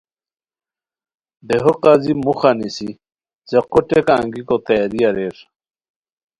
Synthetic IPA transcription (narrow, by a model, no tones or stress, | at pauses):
d̪eɦoqazimuxanisi | zeqoʈeka̰ːŋɡikot̪ajaɾijaɾeɾ